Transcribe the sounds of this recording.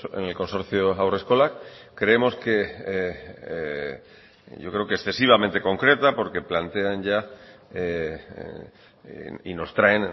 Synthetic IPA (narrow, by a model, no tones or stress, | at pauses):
ḛnelko̞nso̞ɾθjoawre̞sko̞lakkɾe̞emo̞ske̞ | ɟ͡ʝokɾeokesθe̞siβ̞ament̪e̞ko̞ŋkɾe̞t̪apo̞ɾke̞plant̪e̞anʝa | ḭno̞st̪ɾaen